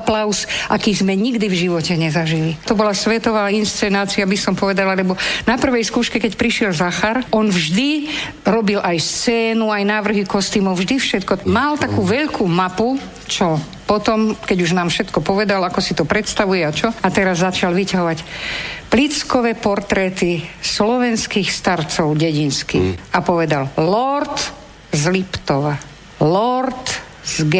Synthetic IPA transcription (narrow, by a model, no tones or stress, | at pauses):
aplaʊsʔakiːzmɛɲiɡd̪ivʒiʋɔcɛɲɛzaʒilit̪ɔbɔlasʋɛt̪ɔʋaːinst͡sɛnaːt͡siabisɔmpɔʋɛd̪alalɛbɔnapr̩ʋɛjskuːʃkɛkɛcpɾiʃɪɛlzaxaɾɔnvʒd̪i | ɾɔbilʔajst͡sɛːnuajnaːʋr̩ɦikɔst̪imɔwvʒd̪ifʃɛt̪kɔmalt̪akuːʋɛʎkʰumapu | t͡ʃɔ | pɔt̪ɔmkɛɟuʒnaːmfʃɛt̪kɔpɔʋɛd̪alakɔsit̪ɔpɾɛt̪st̪aʋujɛat͡ʃɔat̪ɛɾazːat͡ʃalʋicaɦɔʋacplit͡skɔʋɛːpɔɾt̪ɾɛːt̪islɔʋɛnskiːxst̪aɾt͡sɔʊɟɛɟinskḭxapɔʋɛd̪allɔɾt̪ | zlipt̪ɔʋa | lɔɾt̪ | z̥ɡɛ